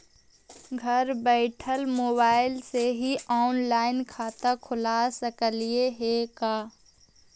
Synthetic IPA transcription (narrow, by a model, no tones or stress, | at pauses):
ɡʱɐɾbɛːʈʰəlmoːbaːɪlseɦiaːnlaːɪnkʰaːt̪akʰʊlaːsəkəlieɦekaː